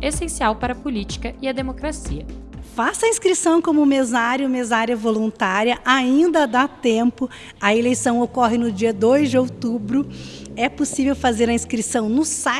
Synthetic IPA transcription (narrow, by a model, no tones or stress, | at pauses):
esẽsiawpaɾɐpolit͡ʃi̥kɐɪɐd̪emokɾasiɐfasɐĩskɾisɐ̃w̃kõmʊmezaɾjʊmezaɾjɐvolũnt̪aɾiɐʔaĩnd̪ɐd̪at̪ẽpʊ | ɐelejsɐ̃w̃okɔɦɪnʊd͡ʒiɐd̪ojzd͡ʒɪowt̪ubɾʊɛposivewfazeɾɐĩskɾisɐ̃w̃nʊsa